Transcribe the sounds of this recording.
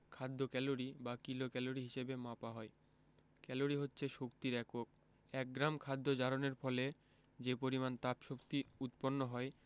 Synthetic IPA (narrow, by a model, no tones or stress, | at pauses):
kʰad̪ʱːokɛloɾibakilokɛloɾiɦiʃebemapaɦɔe | kɛloɾiɦotːɕʰeʃokt̪iɾɛkok̚ | ɛk̚ɡɾamkʰad̪ːod͡ʑaɾoneɾfɔle | d͡ʑepoɾimant̪apʃokt̪iut̪ponːoɦɔe